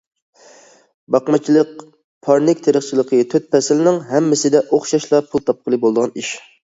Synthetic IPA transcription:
bɑqmɑt͡ʃʰilˠəq̚ | pʰɑɾnɪkʲt̪ʰeɾəχt͡ʃʰilˠəqʰət̪ʰøt̪̚pʰɛsɪlɪnɪŋɦɛmːɪsɪd̪ɛʔoχʃɑʃlˠɑpʰulˠt̪ʰɑp̚qʰəlˠɨbolˠd̪əʁɑniʃ

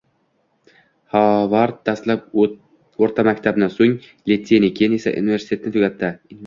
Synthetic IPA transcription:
hɑvaɾt̪̚d̪̥ast̪lap | oɾt̪ʰamakʲt̪ʰabnasoŋ | lʲet̪ʲsenikʲʰenesa̰ʔṵnive̞ɾsi̥t̪ʰe̞t̪ɪnɪt̪ʰʊɡʲat̪ʰːɪ

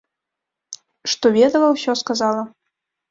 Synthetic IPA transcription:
ʂt̪ɔvʲed̪əlˠəwsʲɔskazɑlˠə

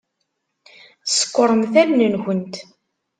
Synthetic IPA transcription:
sə̥kʷːəɾˤənθæmnənxənt̪

